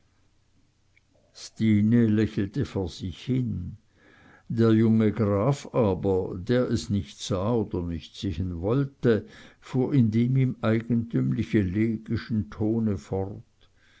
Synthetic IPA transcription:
stiːnelɛçl̩təfoːɐz̥ɪçhɪn | d̥eːɐjʊŋəɡʁaːfaːbɐdeːɐʔɛsnɪçtz̥aːoːd̥ɐnɪçtseːhənvɔltəfuːɐɪndeːmiːmaɪɡ̥ən̩tʰymlɪçəleːɡ̥ɪʃn̩tʰoːnəfɔrt

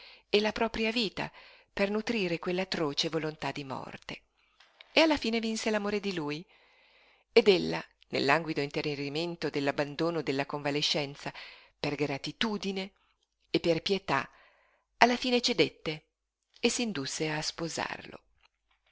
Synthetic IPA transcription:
elapɾɔːpɾjaviːt̪a̰pernut̪ɾiːɾekwelːat̪ːɾoːt͡ʃevolont̪ad̪ːimɔ̰rt̪e | ealːafiːnevinselamoːɾed̪iluːj | ed̪elːa̰nḛlːaŋɡwid̪oint̪ereriment̪od̪elːabːand̪oːnod̪elːakoɱvaleʃːɛnt̪saperɡɾat̪it̪uːd̪ineː | pːerpjet̪a̰ | alːafiːnet͡ʃed̪et̪ːe | esːind̪usːeaspoza̰rlo̰

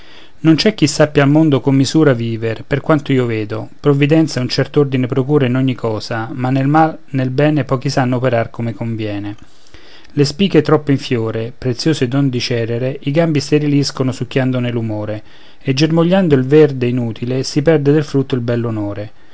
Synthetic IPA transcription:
nont͡ʃɛkːisːapːjaːlmond̪okomːizuːɾaviːverperkwant̪oiːoveːd̪opɾovːid̪ɛnt̪saunt͡ʃɛrt̪oord̪inepɾokuːɾainɔɲːikʰɔːzamanːelmal | nelbɛːnepɔːkisanːoopeɾarkomekoɱvjɛːne | lespiːket̪ɾɔpːoiɱfjoːɾepɾet̪sːjoːsed̪ɔnd̪it͡ʃɛːɾeɾeʔiɡambist̪eɾiliskonʊsukːjand̪onelumoːɾe | ed͡ʒːermoʎːand̪oilvɛrd̪einuːt̪ʰilesipɛrd̪ed̪elfɾut̪ːoilbɛlːonoːɾe

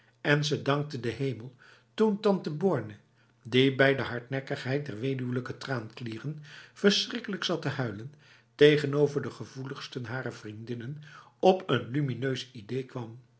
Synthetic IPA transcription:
ɛnzədɑŋk̚tədəɦejməlˠ | tuntɑntəbɔɹnə | dibɛjdəɦɑɹtnɛkəχɦɛjt̚dɛɹʋejdywələkətraːnkliːrənv̥əɹsrɪkələksɑtəɦœɥlən | tejχənowvəɹdəχəvuləχstənɦaːɾəvrindɪnənɔpənlyminøɥsidejkʋɑm

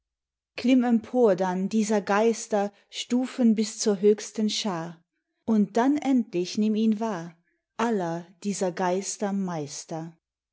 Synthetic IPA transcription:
klɪmɛmpʰoːɐdandiːzɐɡaɪstɐ | ʃtuːfənbɪst͡suːɐɦøːçstənʃaː | ʔʊnt̚d̥anʔɛntlɪçnɪmiːnvaːɐ | ʔalɐd̥iːzɐɡaɪstɐmaɪstɐ

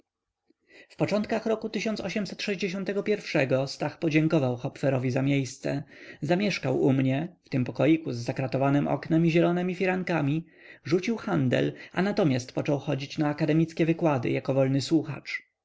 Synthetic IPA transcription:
fpɔt͡ʂɔnt̪̚kaxɾɔkut̪ɘɕɔ̃nt̪sɔɕɛmsɛt̪ʂɛʑd͡ʑeɕɔnt̪ɛɡɔpʲjɛɾfʂɛɡɔst̪axpɔd͡ʑɛŋkɔvawxɔpfɛɾɔvʲizamʲjejst̪sɛ̰zamʲjɛʂkawumɲɛft̪ɘmpɔkɔjikuzːakɾat̪ɔvanɘmʔɔ̰knɛmiʑɛlɔnɛmʲifʲiɾaŋkamʲi | ʐut͡ɕiwxand̪ɛ̰la̰nat̪ɔmʲjast̪pɔt͡ʂɔwxɔd͡ʑit͡ɕnaːkad̪ɛmʲit̪skʲɛvɘkwad̪ɘ̰jakɔvɔlnɘswuxa̰t͡ʂ

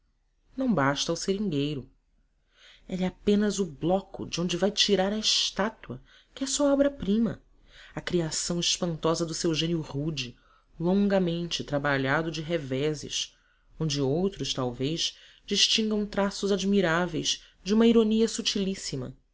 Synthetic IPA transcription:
nɐ̃w̃baʃt̪ɐwseɾĩŋɡejɾʊ | ɛʎɛapẽnɐzʊblɔkʊ̰d͡ʒɪõñd͡ʒɪvajt͡ʃiɾaɾɐɪʃt̪at̪wɐ | kɪɛsuɐɔbɾɐpɾĩmɐ̰ | ɐkɾiasɐ̃w̃ɪʃpɐ̃nt̪ɔzɐd̪ʊsewʒẽnjʊʁud͡ʒɪ | lõŋɡɐmẽnt͡ʃɪt̪ɾabaʎad̪ʊd͡ʒɪɦevɛzɪ̰ʃ | õnd͡ʒɪowt̪ɾʊʃt̪awvejz̥ | d͡ʒiʃt͡ʃĩŋɡɐ̃w̃t̪ɾasʊzad͡ʒmiɾavejz̥ | d͡ʒɪũmɐiɾoniɐsut͡ʃilisimɐ̰

